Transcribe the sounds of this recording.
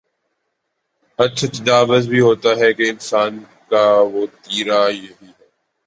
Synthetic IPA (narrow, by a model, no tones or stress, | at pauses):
ɐtːt͡ʃʰat̪ɐd̪aːʋəzbʱiɦoːt̪aɦɛkeɪnsaːn | kaʋoːt̪iːɾajɐɦiɦɛː